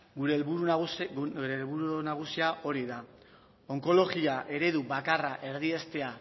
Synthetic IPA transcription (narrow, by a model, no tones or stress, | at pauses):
ɡuɾelβuɾu | uɾelβuɾunaɣ̞usiaʔo̞ɾiða | o̞ŋko̞lo̞ɣiaʔe̞ɾe̞ðubakaraʔe̞ɾðie̞st̪e̞a